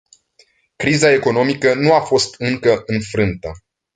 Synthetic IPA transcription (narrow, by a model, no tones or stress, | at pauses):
kɾizae̞ko̞no̞mikənuafo̞st̪ɨŋkəʔɨnfɾɨnt̪ə